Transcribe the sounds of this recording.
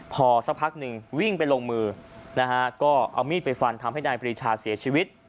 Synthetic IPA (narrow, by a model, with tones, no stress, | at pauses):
pʰɔː˧sa˦˥k̚pʰa˦˥k̚nɯ˧ŋwi˥˩ŋpa˧jloː˧ŋmɯː˧na˦˥kʰa˦˥kɔː˥˩ʔa̰˧wmiː˥˩t̪̚pa˧jfa˧nt̪ʰa˧mha˥˩jnaː˧jpɾiː˧t͡ɕʰaː˧˩siː˨˩˦ɐt͡ɕʰiː˧wi˦˥t̪̚